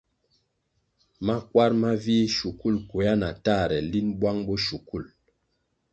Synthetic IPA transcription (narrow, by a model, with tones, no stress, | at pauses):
ma˦kwa˦ɾma˦vi˦ʃu˨ku˦˨lko˨ja˦na˨ta˦˨ɾɛ˨li˦nbwa˦ŋbɔ˦ʃu˨ku˦˨l